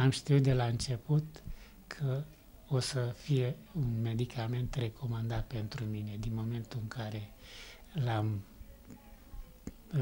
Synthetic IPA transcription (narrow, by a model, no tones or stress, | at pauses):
amʃt̪iut̪d̪e̞laɨnt͡ʃe̞put̪ | kʰə | osəfije̞unme̞d̪ikʰame̞nt̪re̞kʰo̞mand̪at̪̚pe̞nt̪ɾumine̞d̪inmo̞me̞nt̪uɨŋkʰaɾe̞ | lam